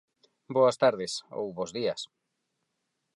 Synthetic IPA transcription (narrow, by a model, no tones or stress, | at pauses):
boɐst̪aɾðɪso̰wβozðiɐs